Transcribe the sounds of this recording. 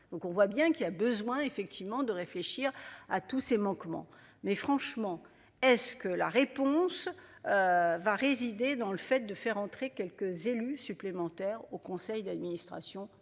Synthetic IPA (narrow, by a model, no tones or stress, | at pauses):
d̪̥ɔ̃kɔ̃vwabjɛ̃kilabəzwɛ̃efɛkt̪ʰivmɑ̃d̪əʁefleʃiʁat̪usemɑ̃kmɑ̰̃ | mɛfχɑ̃ʃmɑ̃ | ɛskəla̰ʁepɔ̃søvaʁezid̪ed̪ɑ̃ləfɛt̪̚d̪əfɛʁɑ̃t̪χekʲɛlkəzelysyplemɑ̃t̪ɛʁokɔ̃sɛjd̪ad̪minist̪χa̰sjɔ̃